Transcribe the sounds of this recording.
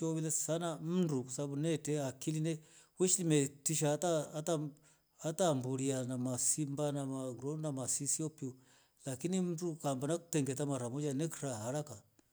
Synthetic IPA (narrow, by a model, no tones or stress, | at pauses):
ɔβilɛsanam̩ndukɔsaabunɛtɛakilinɛwɛʃilimɛtiʃatata | atambuɾianamasimbanamaɡɾɔnamasisiɔpiɔ | lakinim̩dukambanaku̥tɛŋɡɛtamaɾamɔd͡ʒanɛkiɾaɦaɾaka